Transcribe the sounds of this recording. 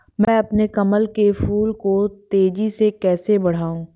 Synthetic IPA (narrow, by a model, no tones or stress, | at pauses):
mɛ̃ːɐpnekɐməlkefuːlkot̪eːd͡ʒisekɛːsebɐɽ̤aːũː